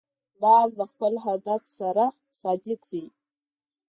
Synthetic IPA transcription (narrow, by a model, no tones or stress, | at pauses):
bɑzd̪əxpəlɦad̪at̪saɾa | sɑd̪likɽi